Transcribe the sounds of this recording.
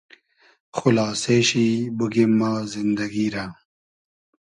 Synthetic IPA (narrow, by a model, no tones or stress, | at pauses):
xulaːseːɕibuɡimːaːzind̪ɐɡiːɾa